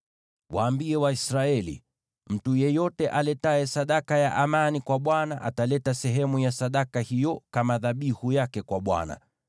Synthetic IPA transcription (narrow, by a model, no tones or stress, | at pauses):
waːmbiɛwaisɾaɛlḭ | m̩tujɛjɔtɛʔalɛtaɛsaɗakajaʔamanikwaɓwanaʔa̰talɛtasɛɦɛmujasaɗakahijɔkamaðaɓihujakɛkwaɓwa̰na̰